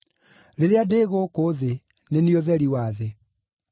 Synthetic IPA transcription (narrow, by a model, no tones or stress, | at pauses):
ɾeɾeadeːɣokoðe | nenioðɛɾiwaðe